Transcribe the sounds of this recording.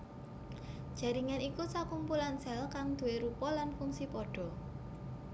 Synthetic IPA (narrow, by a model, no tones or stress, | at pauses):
d̥ʒ̥a̤ɾiŋanikusakumpulansɛlkaŋd̪̥ṳeɾupɔlanfuŋsipɔɖ̥ɔ̤